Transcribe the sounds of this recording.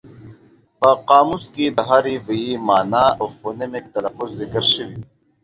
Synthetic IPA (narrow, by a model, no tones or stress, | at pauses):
baːqaːmuskid̪ɐɦaːɾivɐjiːmaːnaːoːfoːnemik̚t̪ɐlɐfuzːikəɾɕiwi